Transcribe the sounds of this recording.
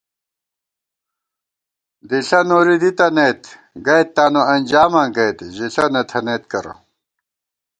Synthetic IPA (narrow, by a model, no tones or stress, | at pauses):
d̪iɬɐnoːɾid̪it̪ɐneːt̪ | ɡɐjt̪ːaːnoɐnʲd͡ʑaːmãɡɐjt̪ʑiɬɐnɐt̪ʰɐneːt̪kɐɾɐ̰